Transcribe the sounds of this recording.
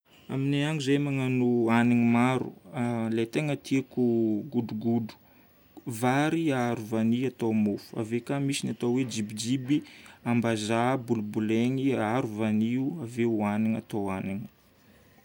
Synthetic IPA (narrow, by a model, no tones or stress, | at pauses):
a̰mineaŋuzejmaŋanuaniŋimaɾṵalet̪eŋət̪iakuɡuduɡudu̥ | vaɾiaaɾuvaniat̪omofu̥a̰vekamisinat̪awed͡ʒibid͡ʒibiambazabulubuleŋiaaɾuvaniuaveuaniŋa̰t̪owaniŋi̥